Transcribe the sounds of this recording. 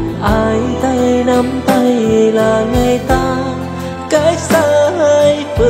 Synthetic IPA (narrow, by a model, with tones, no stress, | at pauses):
ʔaː˧jt̪a˧jna˧mt̪a˧jlaː˨˩ŋa˧˩jt̪aː˧˦ | ka˧˦˥j̚saː˧hə˧jfɨ˨˧˩